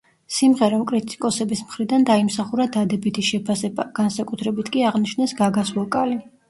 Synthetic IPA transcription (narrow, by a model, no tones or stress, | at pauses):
simʁɛɾakʼɾit̪ʼi̥kʼɔsɛbismχɾid̪and̪aimsaχuɾad̪ad̪ɛbit̪ʰiʃɛpʰasɛbaɡ̥ansakʼut̪ʰɾɛbit̪ʰkʼiaʁnit͡ʃʰnɛsɡaɡasvɔkʼali